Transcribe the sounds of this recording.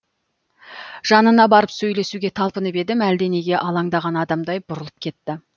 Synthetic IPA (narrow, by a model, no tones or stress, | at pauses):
ʒ̥ɑnənɑbɑɾəpsɵjle̞suɡʲe̞t̪ʰɑlˠpənəbe̞d̪ɪmæld̪e̞ne̞ɡʲe̞ʔɑlˠɑŋd̪ɑʁɑnɑd̪ɑmd̪ɑjbʊɾəlˠəp̚kʲʰe̞t̪ːɪ